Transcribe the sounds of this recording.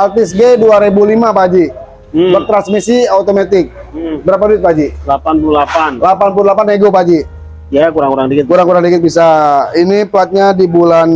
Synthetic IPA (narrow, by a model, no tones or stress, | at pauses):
alt̪ɪs̬ɡeduaɾebulimapad͡ʒi | lɔk̚t̪ɾansmisiaut̪omat̪ɪk̩̚bəɾap̬aduɪt̪̚pad͡ʒilapanpululapanlapanp̬ululapaneɡopad͡ʒi | jakuɾaŋkuɾaŋdikɪt̪̚kuɾaŋkuɾaŋdikɪt̪̚bisainiplat̪̚ɲadibulan